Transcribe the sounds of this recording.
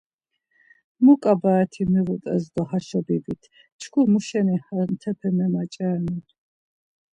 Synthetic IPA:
mukʼabaɛt̪ʰimiʁut̪ʼɛzd̪ɔhaʃɔbibit̪ʰ | t͡ʃʰkʰumuʃɛnihamt̪ʰɛpʰɛmɛmat͡ʃʼɛːnin

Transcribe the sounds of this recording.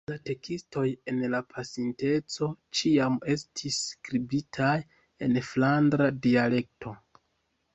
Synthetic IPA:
late̞kisto̞je̞nlapʰasinte̞t͡so̞t͡ʃiame̞stʰiskɾibitʰaj | e̞̰nflandɾadiale̞k̚tʰo̞

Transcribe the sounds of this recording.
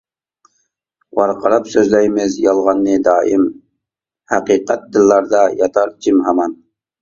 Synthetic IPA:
wɑɾqʰɑɾɑpsøzlɛjmɪzjɑlˠʁɑnːɨd̪ɑːʔim | hæqiqæt̪̚d̪ɪlːɑɾd̪ɑjɑt̪ʰɑɾt͡ʃʰimɦɑmɑn

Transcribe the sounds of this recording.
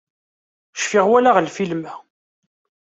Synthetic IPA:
ʃfɪʁwælaʁlfilmæ

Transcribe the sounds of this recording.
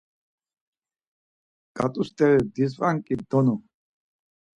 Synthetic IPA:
ɡ̥at̪ʼust̪ɛvɛd̪izʁʼaŋkʼid̪ɔnɔ

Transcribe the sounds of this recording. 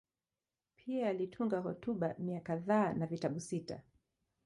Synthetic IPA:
pʰiaalitʰuŋɡaɦɔtuɓamiakaðaːnavitaɓusita̰

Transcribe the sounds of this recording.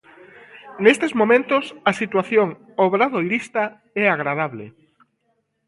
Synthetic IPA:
nest̪ezmomẽnt̪ʊsɐsit̪waθjoŋ | oβɾaðojɾist̪ɐ | ɛaɣɾað̞aβlḛ

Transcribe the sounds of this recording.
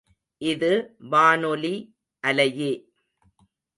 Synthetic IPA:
ʔɪðɯʋaːnɔli | ʔɐlɐjeː

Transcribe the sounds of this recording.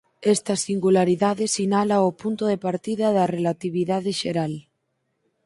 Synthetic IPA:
est̪asiŋɡulaɾiðaðesinalaopunt̪oðepaɾt̪iðaðɐrelat̪iβ̞iðaðeʃeɾal

